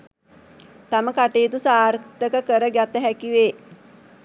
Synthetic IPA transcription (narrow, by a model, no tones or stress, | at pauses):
t̪aməkaʈeːt̪usaːɾkt̪əkəkəɾəɡjat̪əɦækiʋeː